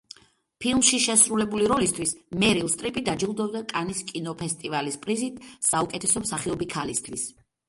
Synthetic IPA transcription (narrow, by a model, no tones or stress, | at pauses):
pʰilˠmʃiʃɛsɾulɛbuliɾɔlist̪ʰwismɛɾilˠst̪ʼɾipʼid̪ad͡ʒilˠd̪ɔbd̪akʼaniskʼinɔpʰɛst̪ʼivalispʼɾizit̪ʰsaukʼɛt̪ʰɛsɔmsaχiɔbikʰalist̪ʰwis